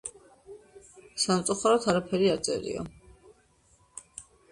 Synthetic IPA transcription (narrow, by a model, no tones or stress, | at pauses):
samt̪sʼuχaɾɔt̪ʰaɾapʰɛɾiaɾt̪sʼɛ̰ɾḭɔ̰